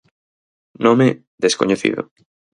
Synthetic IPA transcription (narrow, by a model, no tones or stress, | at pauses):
nome | d̪eskoɲeθḭðo̰